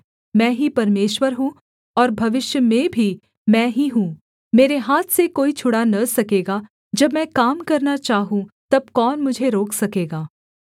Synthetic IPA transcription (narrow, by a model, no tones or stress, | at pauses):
mɛ̃ːɦipɐɾmeːʃwəɾɦũ | ɔːɾbʱɐʋɪʃjəmẽbʱi | mɛ̃ːɦiɦũː | meːɾeɦaːt̪ʰsekoːit͡ʃʰʊɽanɐsɐkeːɡa | d͡ʒɐbmɛ̃ːkaːmkɐɾnat͡ʃaːɦũt̪ɐb̚kɔːnmʊd͡ʒʱeɾoːkʰsɐkeːɡaː